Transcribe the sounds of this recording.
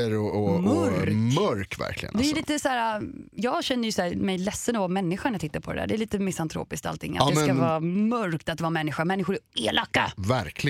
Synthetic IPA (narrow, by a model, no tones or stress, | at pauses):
əɾɔɔmɾmœɾkvæ̰ɾkʰlɪ̰ɡə̰nd̪ɛliːt̪əsæːɾajɑːɡɕɛnːəjɵsæːmɛjlɛsːənɔvɑːmɛnːɪɧaɳɛjɑt̪ɪt̪ːaɾpʰɔd̪ɛd̪æ̰ːɖɛːɭiːt̪əmɪsant̪ʰɾo̰ːpɪsk̚t̪a̰lt̪ʰɪ̰ŋːa̰ɛmɛskavɑːmœɾkt̪at̪d̪vɑːamɛnːɪɧamɛnːɪɧʊɾɛeːlakːa̰væɾkʰlɪ